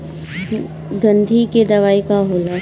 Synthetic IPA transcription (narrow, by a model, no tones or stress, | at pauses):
ɡɐ̃nd̪ʱiked̪ɐʋaːikaɦoːlaː